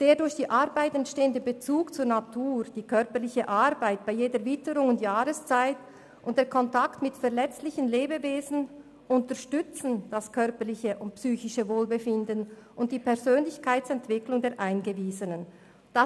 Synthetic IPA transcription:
d̥eːɐdʊɾçd̥iːʔaʁbaɪtɛntʃteːəndəbət͡suːkt͡suːɐnatʰuːʁd̥iːkʰœʁpəʁlɪçəʔaʁbaɪt̚b̥aɪjeːdəɐvɪtəɾʊŋʊntjaːɾəst͡saɪt | ʔʊntd̥eːɐkʰɔntaktmɪtfɛɐlɛt͡stlɪçənleːbəveːzn̩ | ʔʊntəʁʃtʏt͡sn̩d̥askʰœʁpəʁlɪçəʔʊntpsyːçɪʃəvoːlbəfɪndənʔʊnt̚d̥iːpʰɛʁzøːnlɪçkʰaɪt͡sɛntv̥ɪklʊŋdeːɐʁʔaɪnɡəviːzənən | d̥a

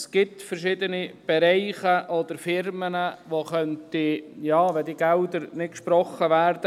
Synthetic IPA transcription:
sɡ̥ɪt̪fəɾʃɪdənib̥ɛɾɛɪχəʔɔd̪əɾfɪɾmənəʋoχœntijɑːʋɛd̪iːɡɛʊd̪əɾnɪt̚kʃpɾɔχəʋæːɾd̥̪ə

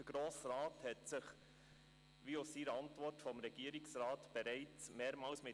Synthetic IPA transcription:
əɡ̥ɾoːsrɑːthɛtsɪχ | ʋiːossiːɾəɑntʋɔrtfɔmɾɛɡ̥iəɾɪksɾɑːtb̥ɛɾɛɪt͡smeːɾmɑːlsmɪ

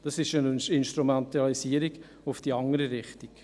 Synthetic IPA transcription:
d̥ɑsɪʃənɪnʃtɾumɛnt̪ɑlisiːəɾiɡ | ʊfd̥iɑŋəɾəɾɪχtik

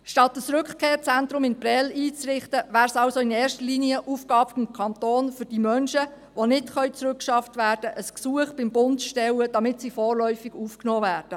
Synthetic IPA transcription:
ʃtɑtəsɾɵkχkʰeːɾt͡sɛnt̪ɾʊmɪnpɾɛliːt͡sɾɪχtəʋæːɾsɑʊsoɪnɛːɾʃtəliːniəʔufɡ̥ɑːpfɪmkʰɑnt̪oːnfʏɾd̥iːmœnʃə | ʋonɪtχœʏt͡sɾʏkʃɑftʋæːrdəʔəsksuəχb̥ɪmbʊntʃtɛwəd̥ɑmɪtsifɔːrlœʏfɪɡ̥uːfknɔːvæːrd̥ə

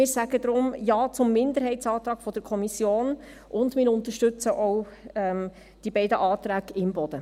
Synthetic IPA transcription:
mɪːɾsæɡ̥əd̥̪ɾʊmjɑːt͡sʊmːɪnd̪əɾɦɛɪtt͡sɑːt̪ɾɑːɡ̥fɔd̥əɾkʰɔmisjoːn | ʔʊndmɪːɾʊnt̪əʃtʉt͡səʔɔwɛm | d̥ibɛɪdəʔɑːt̪ɾæːɡɪmbɔd̥̪ə

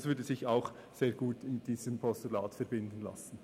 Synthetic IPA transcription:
svʏɹdəzɪçaʊx | seːɾɡ̥uːtɪnɪt̚d̥iːzəmpʰɔstula̰ːtfɛʁbɪndən̩la̰sn̩

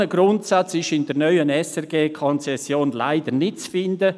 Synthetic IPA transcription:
əɡ̥ɾʊntsat͡sɪʃɪndəɾnœʏənɛsɛrɡeːkʰɔnt͡sɛsjoːnla̰ɪd̥̪ənɪt̚t͡sfɪnd̪ə

